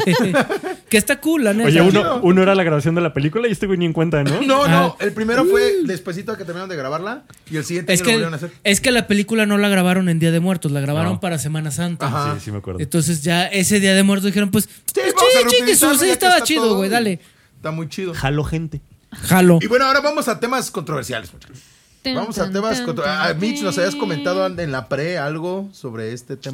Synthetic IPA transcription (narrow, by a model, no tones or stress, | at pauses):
kest̪akulaneejaunounoeɾalaɣɾaβasjo̞nd̪e̞lape̞likulaijost̪eɣonieŋkwe̞nt̪anonooaelpɾimeɾofweðespwes̬it̪oket̪eɾminaɾond̪eɣɾaβaɾla | ielsiɣjent̪eskenaseeskelape̞likulano̞laɣ̞ɾaβaɾo̞nend̪iað̞emwe̞ɾt̪o̞slaɣɾaβaɾo̞mpaɾase̞mãnasant̪ahasimeakwḛɾent̪o̞ns̬e̞z̬ʝae̞seðiaðemweɾt̪ozðixeɾo̞npwe̞s | t͡ʃit͡ʃiesussiet̪aβat͡ʃiðoɣwejðale | st̪amujt͡ʃiðoxaloxent̪e | xaloiβwe̞noaoɾaβamosat̪e̞maskont̪ɾoβeɾsja̰lesmut͡ʃ | bamosat̪emaonmit͡ʃnosaβiaskoment̪aðoaenlapɾealɣosoβɾeest̪et̪e